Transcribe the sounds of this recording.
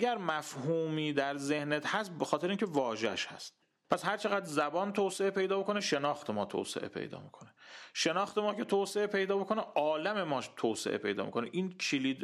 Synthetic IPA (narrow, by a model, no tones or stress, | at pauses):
ɡæɾmæfhuːmiːd̪æɾze̞hnet̪hæst̪̚bexɒːt̪ʰeɾeincʰevɒːʒḛʃhæ̰st̪ | pʰæshæɾt͡ʃʰeɣæd̪zæbɒːnt̪ʰoːseʔepe̞jd̪ɒːbekʰo̞neʃe̞nɒːxt̪ʰemɒːt̪ʰo̰ːsḛʔḛpʰḛjd̪ɒ̰ːmḭkʰo̞neʃenɒːxt̪e̞mɒːkʰe̞t̪ʰoːseʔepʰe̞jd̪ɒːbokʰo̞neʔɒːlæme̞mɒːʃt̪ʰoːsḛʔḛpʰe̞jd̪ɒ̰ːmḭkʰo̞nḛʔiːnkʰiliːd̪